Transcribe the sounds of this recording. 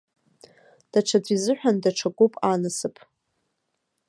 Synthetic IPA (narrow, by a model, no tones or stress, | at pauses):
d̥aʈ͡ʂʷʰad͡zʷizɨħʷᶣandaʈ͡ʂʰakʷʼupʼanɨsɨpʼʰ